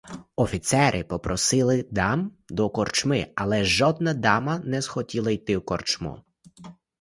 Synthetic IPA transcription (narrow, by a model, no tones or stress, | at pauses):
ɔfʲit̪sɛɾʔɪpɔpɾɔsɪlˠɪd̪ɑm | d̪ɔkɔrt͡ʃmɪɐlˠɛʒɔd̪̚nɐd̪ɑmɐnɛz̥xɔtʲilˠɐjt̪ɪwkɔrt͡ʃmṵ